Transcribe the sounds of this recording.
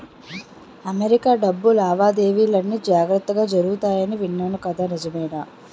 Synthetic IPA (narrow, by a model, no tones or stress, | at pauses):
ɐmeɾikaːɖɐbːulaːʋaːd̪e̞ːʋiːlɐnːid͡ʒaːɡɾɐt̪ːɐɡaːd͡ʒɐɾuɡut̪aːjɐniʋiɳːaːnɐkɐd̪anid͡ʒɐmɐjnɐ